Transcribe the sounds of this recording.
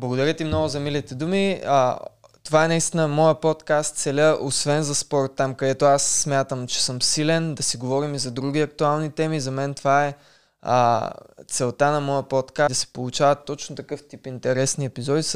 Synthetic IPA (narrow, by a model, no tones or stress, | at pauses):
blˠɐɡʊd̪ɐɾʲət̪imnɔɡʊzɐmilit̪ɛd̪umiə | t̪ovaɛnɐist̪inəmɔjəpot̪kast̪t̪sɛlʲəʔosvɛnzɐspɔɾt̪ːamkɐd̪ɛt̪oasːmʲjat̪əmt͡ʃɛ̥sɤmsilɛnd̪ɐsiɡovɔɾimizɐd̪ɾuɡ̟ʲiɐk̚t̪ualˠnit̪ɛmizɐmɛnt̪ovaɛ̰ | t̪sɛlˠt̪anɐmɔjəpot̪kad̪ɐsɛ̥polˠut͡ʃavɐt̪ːɔt͡ʃnot̪ɐkɤft̪ipint̪ɛɾɛsniɛpizɔd̪is